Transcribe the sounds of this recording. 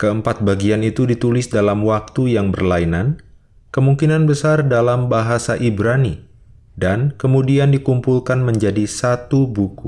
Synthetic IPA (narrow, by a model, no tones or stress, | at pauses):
kəəmpat̪̚baɡianit̪udit̪ulɪsdalamwak̚t̪ujaŋbərlainan | kəmuŋkinanbəsardalambaɦasaʔibɾani | dankəmudiandikumpulkanməɲd͡ʒadisat̪ubuku